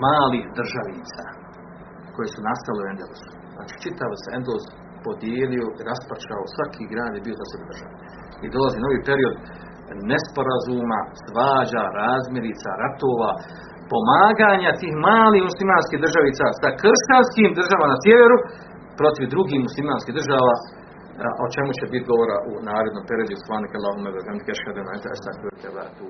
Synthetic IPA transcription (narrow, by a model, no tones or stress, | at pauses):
maːliːhd̪r̩ʒaʋiːt̪sa | ko̞jesunast̪aleuend̪elusu̥zna̰ːt͡ʃi̥ːt͡ʃit̪aʋoseend̪oz | po̞d̪jeːlio̞ʔiɾaspat͡ʃaosʋakʰiːɡɾaːd̪jebio̞zaseɡod̪ɾrʒa̰ʋe | ḭd̪o̞laziːnaoʋiːpeɾio̞d̪ | nespo̞ɾazuːma̰sʋaːd͡ʑaɾaːzmʲjeɾiːt̪sa̰ɾat̪oːʋaː | po̞maːɡaːɲat̪iːhmaːliːhmuslimaːnskiːɦd̪rʒaʋiːt̪sasakrɾʃt̪anskiːmd̪r̩ʒaːʋamanasʲjeʋe̞ɾu | pɾo̞t̪iʋd̪ɾuɡiːhmuslimaːnskiːɦd̪ɾrʒaːʋa̰ː | ʔo̞̰t͡ʃe̞mut͡ɕebit̪ɡo̞ʋoɾaʔunaːɾod̪nompe̞ɾio̞d̪uposlˠaːnikalːˠaːɦumebeɡanikeʃad̪enaent̪est̪akɾt̪ʰeba̰t̪uː